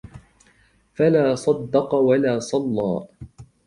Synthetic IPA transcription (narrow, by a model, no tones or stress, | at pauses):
falaːsˤɑd̪ːɑqɑwalaːsˤɑlːɑ̰ː